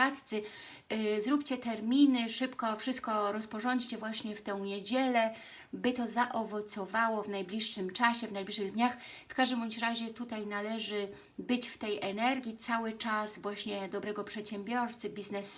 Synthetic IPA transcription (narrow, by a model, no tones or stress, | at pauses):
at̪t̪sɘ | zɾupt͡ɕɛt̪ɛɾmʲinɘʂɘpkɔfʂɨst̪̚kɔɾɔspɔʐɔɲt͡ɕt͡ɕɛvwaɕɲɛft̪ɛ̃w̃ɲed͡ʑɛlɛ | bɘt̪ɔzaʔɔvɔt̪sɔvawɔvnajblʲiʂːɘmt͡ʂaɕɛvnajblʲiʂɘɣd̪ɲaxfkaʐd̪ɘmɔɕɾaʑɛt̪ut̪ajnalɛʐɘ | bɘt͡ɕft̪ɛjɛnɛɾɡʲjit̪sawɘt͡ʂasvwaɕɲɛd̪ɔbɾɛɡɔpʂɛt̪ɕɛmbʲjɔɾt̪sɘbʲiznɛs